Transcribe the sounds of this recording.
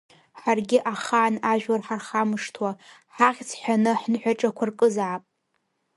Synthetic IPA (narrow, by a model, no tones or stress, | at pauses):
ħarɡʲɪʔaχaːnaʒᶣwarħarχamɨʂtʰwaħaʁʲt͡sʰħʷᶣanɨħnħᶣaʈ͡ʂʼakʷʰarkʼɨzʕapʼ